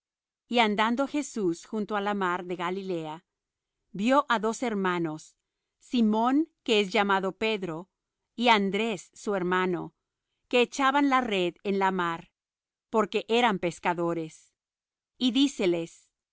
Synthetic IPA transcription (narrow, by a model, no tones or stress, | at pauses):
iand̪and̪o̞xe̞susxunt̪oalamaɾðe̞ɣalile̞a | bjo̞ʔaðo̞se̞ɾmano̞sː | imõ̞ŋke̞esʝamaðo̞pe̞ðɾo̞ | iand̪ɾe̞sːue̞ɾmano̞̰ | ke̞ːt͡ʃaβanlare̞ðenlamaɾ | po̞ɾke̞ʔe̞ɾampe̞skaðo̞ɾe̞s | iðise̞le̞s